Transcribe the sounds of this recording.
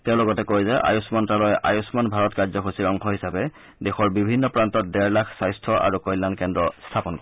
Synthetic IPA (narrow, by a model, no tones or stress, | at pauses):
tɛʊ̃lʊɡɔtɛkojzɛʔa̰jusmɔntalɔjʔa̰jusmanbʱaɹɔtkaɹzɔxʰosiɹɔŋkʰɔɦisabɛ | dexɔɹbibʱinːɔpɹantɔt̚dɛɹlakʰsajstʰɔʔa̰ɹukɔjlːankɛndɹɔstʰapɔnkɔɹɛ